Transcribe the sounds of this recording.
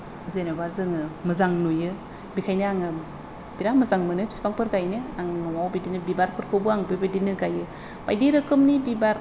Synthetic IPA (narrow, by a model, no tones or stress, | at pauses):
zenobazɯŋɯmɯzaŋnujɯ | bikʰajnɯaŋɯ | biɾamɯzaŋmɯnɯbi̥si̥paŋpʰɯɾɡajnɯaŋnɔŋawbidinɯbibaɾpʰɯɾkʰɯbɯaŋbɯbedinɯɡajɯ | pajdeɾɯkʰɯmnibibaɾ